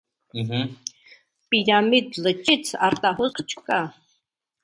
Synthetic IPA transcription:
ɦ̩ | pʼiɾamid̪lɨt͡ʃʼit͡sʰart̪ʼaɦʊzqʰt͡ʃʰʼkʼa

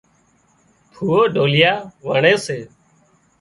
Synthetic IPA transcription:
pʰuːoːɖʱoːlɪjaːʋəɳeːseː

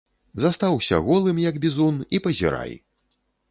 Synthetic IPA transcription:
zast̪awsʲɐ̰ɣɔlˠɨmjɐɡbʲizunipɐzʲḭɾa̰j

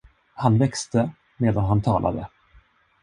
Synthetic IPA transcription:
hanvɛkst̪ə | meːd̪anɦant̪ʰɑːlʔa̰d̪ə̰

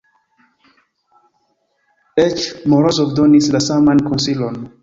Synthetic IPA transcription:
ɛt͡ʃmɔɹɔsɔfdɔnislasamãnkɔ̃nsilɔ̃n

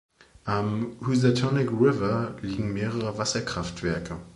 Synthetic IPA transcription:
ʔamhuzatʰɔnɪkʁɪvɐliːɡŋ̩meːʁəʁəvasɐkʁ̥aftv̥ɛɐkʰə

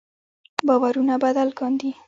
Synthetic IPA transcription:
bɑwaɾunabad̪alkɔnd̪i

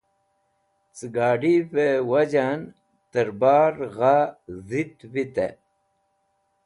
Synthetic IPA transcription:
t͡sɨɡaːɖipewɐd͡ʑan | t̪əɾbaːɾɣazit̪wit̪ḛ

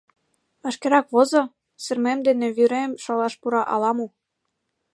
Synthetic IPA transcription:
pɑʃkeɾɑkβozɤ̆ | sɘ̆rmemd̪enĕβyɾemʃɑlɑʃpuɾɑʔɑlɑmu

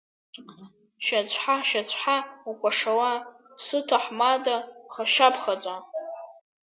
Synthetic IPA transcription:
ʃat͡ɕʷʰħaʃat͡ɕʷʰħaukʷʰʼaʂawa | sɨtʰaħmadaχaʃapʰχat͡sʷʼa

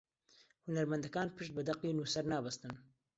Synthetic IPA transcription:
hunɐɾmɐnd̪ɐkaːnpʰɨʃt̪̚bɨd̪ɐqːinuːsɐɾnaːbɐst̪ɨn

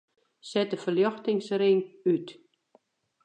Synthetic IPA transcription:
sɛtəfəljɔxtɪŋsrɪŋyt

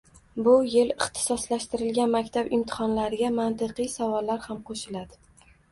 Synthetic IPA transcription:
bʊjelɪχt̪ʰɪ̥sɒslaʃt̪ɪɾɪlɡʲanmakʲt̪ʰabɪmt̪ʰɪ̥χɒnlaɾɪɡʲamant̪ɨqɨjsavɒlːaɾhamqʰoʃɪlad̪ɪ

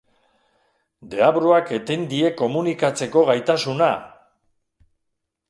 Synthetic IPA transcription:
d̪e̞aβɾoake̞t̪end̪ie̞ko̞munikat͡se̞ko̞ɣajt̪asuna

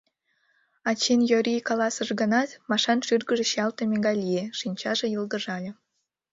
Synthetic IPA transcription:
ɑt͡ɕenjoɾʲikɑlˠɑsəʒɡə̆nɑt̪mɑʃɑnʃyrɡə̆ʒĕɕɑlt̪emʲeɡɑlʲijeʃinʲt͡ɕɑʒĕjɯlˠd̪ə̆ʒɑlʲĕ

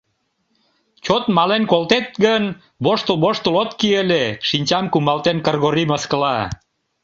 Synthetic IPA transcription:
t͡ɕot̪mɑlenkolt̪et̪̚ɡən | βoʃt̪əlβoʃt̪əlot̪kieleʃinʲt͡ɕɑmkumɑlt̪enkərɣoɾiməskəlɑ

